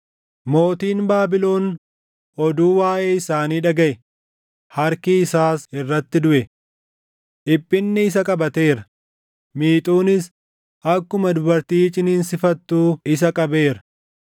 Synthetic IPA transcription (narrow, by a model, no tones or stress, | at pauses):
mo̞ːt̪iːnbaːbɪlo̞ːn | ɔd̪uːwaːʔeːɪsaːniːᶑɐɡɐʔɛ | hɐɾkɪɪsaːsɪrːɐt̪ːɪd̪ʊʔɛ | ʔɪpʼːɪnːɪːsɐkʼɐbɐt̪e̞ːɾɐ | miːt̪ʼuːnɪs | ʔɐkːʊmɐd̪ʊbɐɾt̪iːt͡ʃʼɪniːnsɪfɐt̪ːuːɪs̬ɐkʼɐbe̞ːɾɐ̥